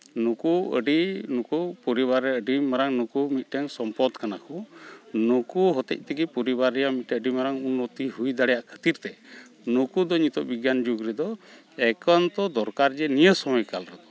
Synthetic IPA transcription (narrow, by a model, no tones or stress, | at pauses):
nukuə̰ɖinukupɔɾibaɾɛəɖimaɾaŋnukumit̪̚ˀʈɛŋsɔmpɔd̪kanakʰunukuɦɔt̪ɛ̰c̚t̪ɛɡipɔɾibaɾɛjamit̪̚ʈɛəɖimaɾaŋunːɔt̪iɦujd̪aɽɛjaʔkʰə̥t̪iɾt̪ɛ | nukud̪ɔɲit̪ɔʔbiɡjand͡ʒuɡɾɛd̪ɔ | ɛkɔnt̪ɔd̪ɔɾkaɾd͡ʒɛnijəsɔmɔjkalɾɛd̪ɔ̥